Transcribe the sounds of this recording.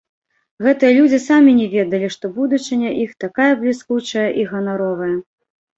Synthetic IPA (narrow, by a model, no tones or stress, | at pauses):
ɣɛt̪ɨjɐlʲud͡zʲisamʲinʲɛvʲeɛd̪ɐlʲiʂt̪ɔbud̪ut͡ʂɨnʲɐʔixt̪akajɐblʲiskut͡ʂɐjɐʔiɣɐnaɾɔvɐjɐ